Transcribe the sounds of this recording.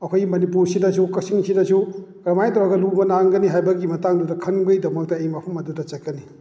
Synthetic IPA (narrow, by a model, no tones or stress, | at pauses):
ɐkʰojimɐnipuɾsidɐsukɐsiŋsidɐsuɡɾɐmajtʰɐɾaɡɐlubɐnaŋɡɐniɦajbɐɡimɐtaŋdudɐkʰɐnbɯjdɐmɐk̚tɐejmapʰumɐdutɐt͡ʃɐkːɐni